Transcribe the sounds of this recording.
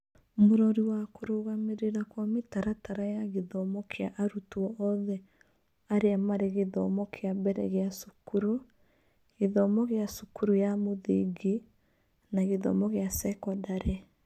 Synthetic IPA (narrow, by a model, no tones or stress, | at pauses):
moɾɔɾiwakoɾoɣameɾeɾakwametaɾataɾajaɣeðɔmɔkʰeaʔaɾutuɔʔɔðɛ | aɾeamaɾeɣeðɔ̰mɔkʰeabɛɾɛ̰ɣeasukuɾo | ɣeðɔmɔɣeasukuɾujamoðḛɡe | naɣeðɔ̰mɔɣeasɛkɔdaɾɛ